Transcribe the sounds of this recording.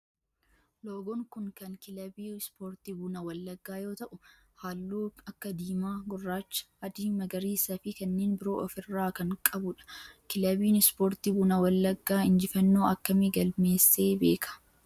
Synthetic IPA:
loːɡɔŋkʊŋkɐŋkɪlɐbiːspoːɾt̪iːbuːnɐwɐlːɐɡːaːjo̞ːt̪ɐʔʊ | haːlːuːɐkːɐd̪iːmaːɡʊrːaːt͡ʃːɐ̥ɐd̪iːmɐɡɐɾiːsɐfɪkɐnːeːnbɪɾo̞̰ːʔɔfɪrːaːkɐŋkʼɐbʊᶑɐ̥kɪlɐbiːnɪspo̞ːɾt̪iːbuːnɐwɐlːɐɡːaːɪnd͡ʒɪfɐnːo̞ːɐkːɐmɪɡɐlme̞ːsːe̞ːbe̞ːkʰɐ̥

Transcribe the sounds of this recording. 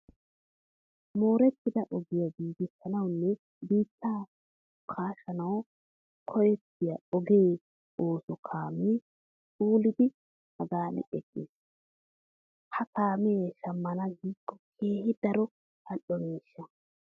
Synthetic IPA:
moːɾɛt̪ːɪd̪ɐʔɔɡɪjaɡiːɡɪsɐnɐwnːɛ | biːt̪ʰːaː | kʰaːʃɐnɐw | kʰɔjɛt̪ːɪjɐɔɡe̞ː | oːsɔkʰaːmeː | fuːlɪd̪ɪ | hɐɡaːnɛ̰ᶑɛkʼːiːs | hɐkaːmeʃɐmːɐnɐɡiːkʼːɔ̥kʰe̞ːhɪd̪ɐɾɔ | hɐʔɔmiːʃːɐ

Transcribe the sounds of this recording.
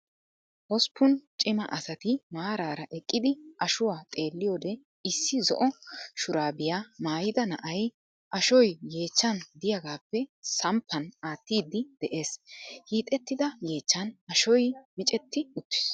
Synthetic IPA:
ʔɔspːʊnt͡ʃʼɪmɐ̰ʔɐsɐt̪ɪmaːɾaːɾɐʔɛkʼːɪd̪ɪʔɐʃʊwaːt̪ʼe̞ːlːɪjoːd̪ɛ | ɪsːɪzɔ̰ʔɔʃʊɾaːbɪjamaːjɪd̪ɐnɐ̰ʔɐj | ʔɐʃɔjje̞ːt͡ʃːɐnd̪ɪjɐɡaːpːɛsɐmpʰːɐnaːt̪ːiːd̪ɪd̪̥ɛʔe̞ːshiːt̪ʼɛt̪ːɪd̪ɐje̞ːt͡ʃːɐnɐʃɔjmɪt͡ʃʼɛt̪ːɪʊt̪ːɪ̥s

